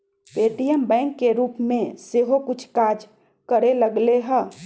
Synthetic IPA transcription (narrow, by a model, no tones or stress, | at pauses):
peːʈijembɛ̃ŋkːeɾuːpmẽseɦokʊt͡ʃʰkad͡ʒ | kəɾeləɡleɦə̃